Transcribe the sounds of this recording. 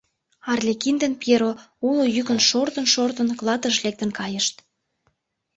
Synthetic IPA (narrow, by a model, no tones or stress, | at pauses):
ɑrlʲekind̪enpjeɾoulojykə̆nʃort̪ə̆nʃort̪ə̆nklˠɑt̪əʃlek̚t̪ə̆nkɑjəʃt̪